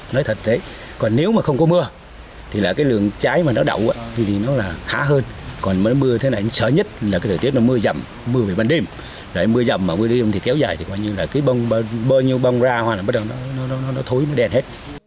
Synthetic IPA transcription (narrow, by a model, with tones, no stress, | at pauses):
nɔ˨˦jt̪ʰə˨˩t̚t̪ʰe˨˦ | kɔ˨˩nːe˨˦wmaː˨˩xə˧wŋ͡mkɔ˨˦mɨ˧ə | t̪ʰi˨˩laː˨˩kaː˨˦jlɨ̰˧˨əŋt͡ɕaː˨˦jmaː˨˩nɔ˨˦ɗə̰˧˨wʔaː˨˦vʰi˧˩t̪ʰi˨˩nɔ˨˦laː˨˩xaː˨˦ɦəː˧n | kɔ˨˩nm˨˦jmɨ˧ət̪ʰe˨˦naː˨˩ʔa˧ŋsə̰ː˧˩ɲə˦˥t̚laː˨˩ka˨˦jt̪ʰəː˨˩t̪i˦˥ənɔ˨˦mɨ˧əzə˨˩m | mɨ˧əve˨˩ɓaː˧nɗe˧m | za˨˩ʔjmɨ˧əzə˨˩mːaː˨˩mɨ˧əɗɨ˧zŋ͡mt̪i˨˩kɛ˨˦wzaː˨˩jt̪ʰi˨˩kwaː˧ɲɨ˧laː˨˩kaː˨˦jɓə˧wŋ͡mɓaː˧ɓaː˧wɲi˧əwɓə˧wŋ͡mzaː˧hwaː˧˩laː˨˩ɓə˦˥t̚ɗə˨˩nɔ˨˦nɔ˨˦nɔ˨˦nɔ˨˦nɔ˨˦t̪ʰo˨˦jnɔ˨˦ɗɛ˨˧˩nhe˦˥t̚